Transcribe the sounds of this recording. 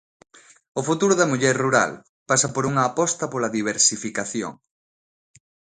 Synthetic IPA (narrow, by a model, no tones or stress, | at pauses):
ofut̪uɾʊðɐmuʎɛɾruɾa̰l | pasɐpoɾuŋɐːpɔst̪ɐpolɐðiβ̞eɾsifikaθjo̰ŋ